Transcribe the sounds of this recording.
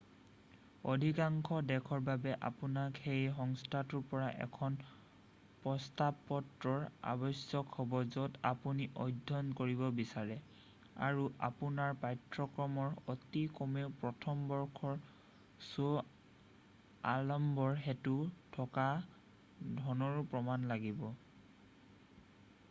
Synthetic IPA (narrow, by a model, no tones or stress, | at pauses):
odʱikaŋkʰɔdɛkʰɔɹbabɛʔa̰punakhejɦɔŋstʰatuɹpɔɹaʔɛ̰kʰɔn | pɹɔstabɔtɹɔɹa̰bɔjsjɔkhɔbɔzɔtapuniʔɔjdʱːɔnkoɹiβɔbisaɹɛ | a̰ɹuʔa̰punaɹpajtɹɔkɹɔmɔɹotikɔmeʊpɹɔtʰɔmbɔɹkʰɔɹ | so | alɔmbɔɹɦetutʰɔka | dʱɔnɔɹupɹɔmanlaɡibɔ